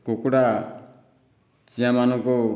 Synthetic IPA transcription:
kokuɽa | t͡ʃiamanɔŋkɔ

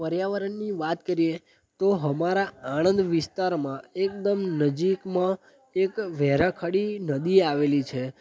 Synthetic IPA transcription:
pəɾjaʋəɾənːiʋat̪kəɾie | t̪oɦəmaɾaaɽ̃ənd̪ʋɪst̪aɾmãek̚d̪əmnəd͡ʒikmã | ekʋɛɾãkʰaɽinəd̪iaʋelit͡ʃʰe

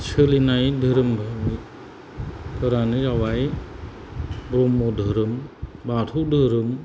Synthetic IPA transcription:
t͡ʃʰɯlinajd̪ʱɯɾɯmbʱami | tʰəɾanɯɾawaj | bɾomːodʱɯɾɯmbatʰudʱɯɾɯm

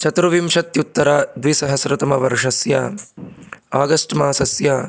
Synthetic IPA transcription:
t͡ʃɐt̪ɾuʋimʂɐt̪jut̪ːɐɾaːd̪ʋisɐɦɐsɾɐt̪ɐmɐʋɐɾʂɐsjaː | aːɡɐsʈmaːsɐsjaː

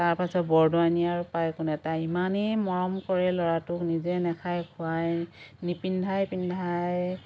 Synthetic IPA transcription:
taɹpasɔt̚bɔɹdɔanijaɹʊpajkʊnɛtaimanejmɔɹɔmkɔɹɛlɔɹatʊknizɛnɛkʰajkʰʊajnipindʱajpindʱaj

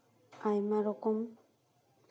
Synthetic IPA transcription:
ajmaɾokʊm

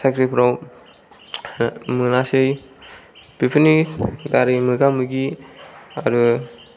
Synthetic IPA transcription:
sakʰɾipʰɾaw | mɯnasɯj | b̥ipʰɯnidaɾɯmɯɡamɯɡi | aɾu

